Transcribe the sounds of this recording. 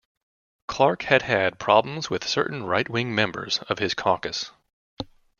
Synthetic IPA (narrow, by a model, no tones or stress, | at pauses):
kʰl̥ɑɹkhɨd̚ɨd̚pʰɹ̥ɑblə̃m̩zwɨð̥sɜ̰˞ʔn̩ɹaɪt̚wɪ̃ŋmɛ̃mbə̰˞z̥ʌv̥ɨz̥kʰɑkɨs